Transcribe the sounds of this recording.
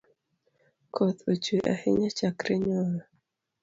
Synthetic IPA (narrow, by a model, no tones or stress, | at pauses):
kʰot̪ot͡ʃeʔa̰hɪɲat͡ʃakɾɪɲɔna